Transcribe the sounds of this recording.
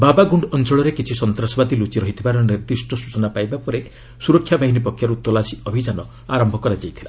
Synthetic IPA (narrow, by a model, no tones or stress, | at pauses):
babaɡuɳɖɔnt͡ʃɔɭɔɾekit͡ʃʰisɔnt̪ɾɔsɔbad̪ilut͡ʃiɾɔɦit̪ʰibaɾniɾd̪isʈɔsu̥t͡ʃɔnapajbapɔɾe | suɾɔkʰːjabʱaɦinipɔkʰːjaɾut̪ɔlasiɔbʱid͡ʒanɔ | aɾɔmbʱɔkɔɾad͡ʒajt̪ʰila̰